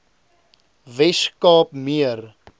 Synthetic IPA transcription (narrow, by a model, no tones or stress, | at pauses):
vɛskɑːpmiər